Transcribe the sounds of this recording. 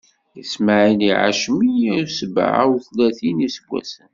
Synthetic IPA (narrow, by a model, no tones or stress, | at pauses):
jəsmaʕiniʕa̰ʃmisəb̰ʕa̰wθlæθinisəɡʷːæ̰sən